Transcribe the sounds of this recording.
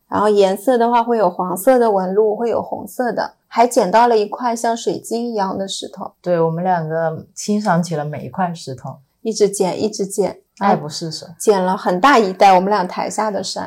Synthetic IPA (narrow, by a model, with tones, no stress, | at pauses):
ɻa˧˥nxo˥˩ʊjɛ˧˥nsɤ˥˩d̪ə˩xwa˥˧xwe˥˩ɪjo˨˩ʊxwɑ˧˥ŋsɤ˥˩d̪ə˩wə˧˥nlu˥˩xwe˥˩ɪjo̰˨˩ʊxʊ̰˧˥ŋsɤ˥˩d̪ə̰˩ | xa˧˥ɪt͡ɕjɛ˨˩nt̪ɑ˥˩ʊlə˩i˧˥kʰwa˥˧ɪɕjɑ˥˩ŋʂwe˨˩ɪt͡ɕi˥ŋi˧˥jɑ˥˩ŋd̪ə˨ʂɻ̩˥˩t̪ʰʊ˧˩˦ŋt̪we˥˩ɪwɔ˨˩mə˦nljɑ˨˩ŋɡə˦t͡ɕʰi˥ŋʂ̬ɑ˧˥ŋt͡ɕʰi˨˩lə˦me˨˩ɪi˧˥kʰwa˥˧ɪʂɻ̩˧˥t̪ʰʊ˨˩˦ŋ | i˥˩ʈ͡ʂɻ̩˧˥t͡ɕjɛ˨˩˦nʔḭ˥˩ʈ͡ʂɻ̩˧˥t͡ɕjɛ˨˩˦n | a˥˩ɪpu˧˥ʂɻ̩˥˩ʂt͡ɕjɛ˨˩nlə˦xə˨˩nt̪a˥˩i˧˥t̪a˥˩wɔ˨˩mə˧˦nljɑ˨˩ŋt̪ʰa˧˥ɪɕja˥˩d̪ə˩ʂa̰˥n